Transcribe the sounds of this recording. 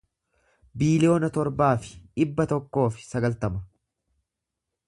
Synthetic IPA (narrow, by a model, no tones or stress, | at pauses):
biːlɪjo̞ːnɐt̪ɔɾbaːfɪ̥ᶑɪbːɐt̪ɔkːo̞ːfɪ̥sɐɡɐlt̪ɐmɐ